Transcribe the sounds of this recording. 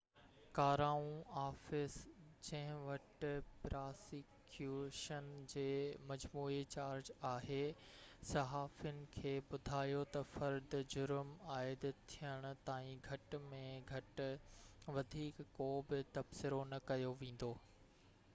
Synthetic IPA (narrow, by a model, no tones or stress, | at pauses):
kaːɾaːũaːfɪsd͡ʑɐ̃ɦɪ̃ʋɐʈɪpɾaːsɪkjuʃənd͡ʑeːmɐd͡ʑmuːit͡ɕaːɾd͡ʑaːɦe | sɐɦaːfijʊnɪ̆kʰeːbʊd̪ʱaːjot̪ɐfɐɾd̪d͡ʑʊɾmaːɪd̪t̪ʰijəɽ̃ʊ̆t̪aːĩɡʱɐʈmẽɡʱɐʈ | ʋɐd̪ʱiːkːoːbɪt̪ɐbsɪɾonɐkɐjoʋẽːn̆d̪oː